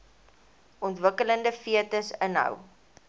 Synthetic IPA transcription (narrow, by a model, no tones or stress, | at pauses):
ɔntvəkələndəfiətəsənɦə̰w